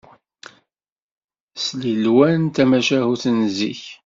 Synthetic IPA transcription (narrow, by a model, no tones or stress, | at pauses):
slilwænt̪æmæʃæhuθənzḭç